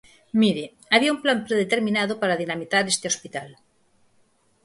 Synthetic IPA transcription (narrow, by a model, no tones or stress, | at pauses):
miɾe | aβiaumplampɾeðet̪eɾmĩnaðopaɾaðinamiθaɾest̪eospit̪al